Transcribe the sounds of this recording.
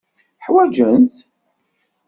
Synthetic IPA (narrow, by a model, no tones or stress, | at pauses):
ħwæd͡ʒənt̪